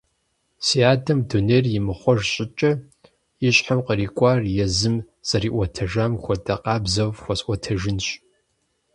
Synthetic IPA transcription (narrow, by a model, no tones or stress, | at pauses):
siaːdɐmduneːrjɪmɨχʷɔʒɕʼɪt͡ʃʼɐ | iɕʼħamqəriːkʷʼarjɛzɨm | z̥ɐriːʔʷɔtʰɐʒaːmxʷɔdʼɐqɑːbzɐvxʷɔsʼʔʷɔtʰɐʒɪnɕ